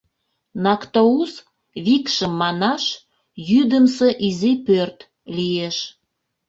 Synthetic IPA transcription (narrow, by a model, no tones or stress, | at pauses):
nɑkt̪ous | βikʃəmːɑnɑʃ | jyd̪əmseʔizipørt̪ | lieʃ